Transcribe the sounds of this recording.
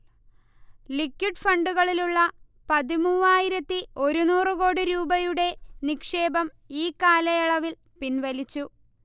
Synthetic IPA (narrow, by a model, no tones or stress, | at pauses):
likːuʈfɐɳɖuɣɐɭiluɭːɐ | pɐðimuːʋaːjiɾɐt̪ːio̞ɾunuːrɨko̞ːɽiɾuːbɐjuɽe̞nikʂe̞ːbɐm | iːkːaːlɐjɐɭɐʋil | pinʋɐlit͡ɕːu